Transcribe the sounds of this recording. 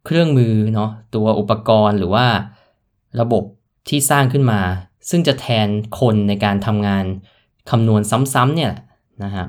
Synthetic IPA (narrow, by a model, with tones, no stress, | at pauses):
kʰɾɯ˥˩əŋmɯː˧nɔ˦˥t̪u˧ɐʔu˨˩pːa˧kɔː˧nɾɯː˩˦waː˥˩ | ɾa˧bo˨˩p̚ | t̪ʰiː˥˩saː˥˩ŋkʰɯ˥˩nmaː˧sɯ˥˩ŋt͡ɕa˨˩t̪ʰɛː˧nkʰo˧nːa˧jkaː˧nt̪ʰa˧mŋaː˧n | kʰa˧mnu˧ənsa˦˥msa˦˥mni˥˩ɐlɛ˨˩ | na˦˥kʰa˦˥p̚